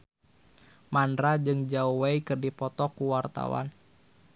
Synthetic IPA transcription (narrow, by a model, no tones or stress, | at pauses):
mandɾad͡ʒɨŋd͡ʒauwaikɨrdipɔt̪ɔkuwart̪a̰wa̰n